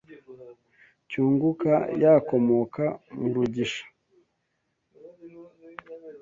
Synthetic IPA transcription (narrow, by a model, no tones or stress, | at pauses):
cuːŋɡuka̰jako̞mo̞kamuɾuɟiʃḁ